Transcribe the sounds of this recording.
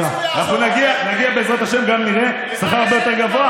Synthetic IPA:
alafunaɡianaɡiabɛzɾat̪aʃɛmɡamniɾɛ | saxaɾabɛt̪aɡavoa

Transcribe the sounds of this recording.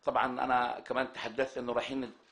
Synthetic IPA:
t̪ˤɑbʕɑnʔa̰nakamaːnt̪ḁħad̪ːaθt̪ʔɪnːʊɾˤɑːħiːnːi

